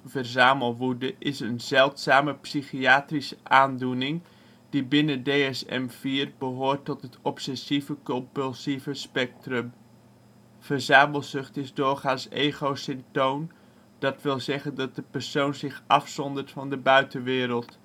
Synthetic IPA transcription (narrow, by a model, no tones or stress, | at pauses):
vərzaːməlˠʋudəʔɪsənzɛlˠtsaːməpsiχiaːtrisəʔaːndunɪŋ | d̥ibɪnədejɛsɛ̰mv̥iːrbəɦoːrtːɔtɦətɔpsɛsivəkɔmpʉlˠsivəspɛk̚trəm | v̥əɹzaːməlˠzɵχtɪzdʊːɹχaːnsḛjχowsɪmtown | d̥ɑtʋɪlˠzɛχəndɑt̚dəpərsownzɪχʔɑfsɔndərtfɑndəbœɥtəʋɪːɾəlˠt